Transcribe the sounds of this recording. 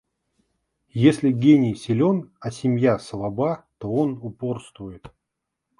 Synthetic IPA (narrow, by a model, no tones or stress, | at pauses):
jesʲlʲɪɡʲenʲɪjsʲɪlʲo̞nɐsʲɪmʲjaslˠabat̪o̞onʊpo̞rst̪vʊjɪt̪